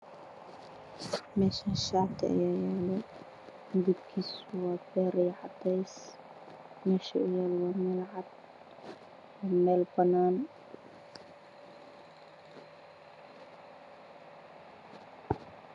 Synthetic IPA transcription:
mɛːʃaʃaːt̪ʰʔɐ̰jaːjɛːlɛ | ɡub̪kʰiːswɑːbɛːɾɛjʕɑd̪ɛjs | mɛːʃɐʊjaːlwɑːmɛːlʕɑd̪̚ | ɔmɛːlbɐnaːn

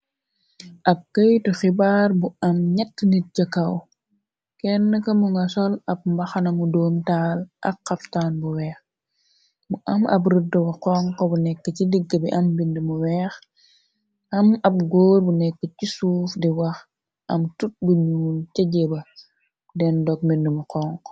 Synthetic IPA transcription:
ʔɐp̚kɐjtixibaːrbuɐmɲɐtːnit̚ɟɐkɐw | kɛnːəkɐmuŋɡɐsɔlɐp̚mbɐxɐnɐmudoːmtaːlʔɐ̰kːɐftaːnbuwɛːx | buʔɐmɐ̰bɾədːəbɐqɔŋkɔbunɛkːəcidiɡːəbiʔɐmbindəmuwɛːx | ɐmɐp̚ɡoːrbunɛkːəcisuːfdiwɐx | ʔɐmtut̚buɲuːncɐɟebɐ | dɛndɔk̚mindəmuqɔŋk

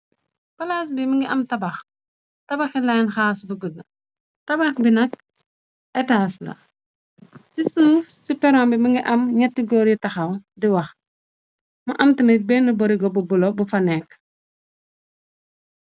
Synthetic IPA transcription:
pɐlaːs̬biməŋɡiʔɐmtɐbɐx | tɐbɐxɛlajnxaːsbuɡudɐ | tɐbaxbinɐk | ɛtaːslɐ̰ | sisuːfsipɛɾɔːmbiməŋɡiʔɐmɲɛtːiɡɔːɾjitɐxɐwdiwɐx | mɐʔɐmtinɐbɛnːəbɔɾiɡɔbubulɔbufɐnɛk

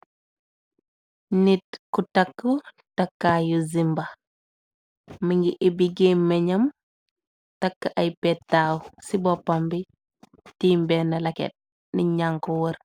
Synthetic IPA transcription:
nitkutɐkːu | tɐkːajuzimbɐ | məŋɡiʔebiɡemːɛɲɐm | tɐkːaʔɐjpɛtːaːwsibɔpːambi | tiːmbɛnɐlɐkɛ̰t̚ | niɲaŋkɔwɐɾ

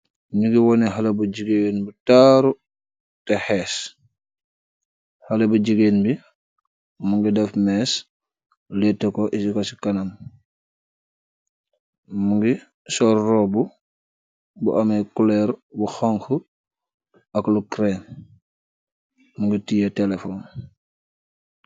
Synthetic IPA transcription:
niɡiwɔnɛɦalebuɟiɡenbitaɾu | tɛhɛːs | halebuɟiɡenbi | muŋɡidɐfmɛs | lɛtːɛkoʔisikosi̥kanam | muŋɡi | sɔrːɔbu | bṵʔamekulɛɾbuxaŋxu | ɐklukɾen | muŋɡitijatelefon

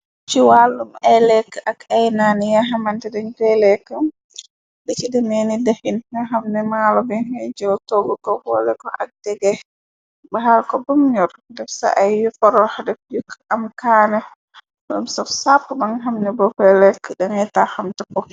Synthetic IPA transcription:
t͡ʃiwalːumɛlɛkːʔakajnanijaɦamantɛdɛnfɛlɛkːə | dɛt͡ʃidɛmenidɛhinnɛɦamnɛmalɔbɛnɛjd͡ʒowtoɡɔkɔɡɔlɛkɔʔa̰k̚d̥ɛɡɛ | baɦalkɔbumɲɔɾdɛfsa̰ʔajwifɔɾɔhdɛfd͡ʒukːʔamkaːnɛ | bɔmsafsapːumaŋɦamnɛbɔfɛlɛkːɗanɛtahamtɛkɔ

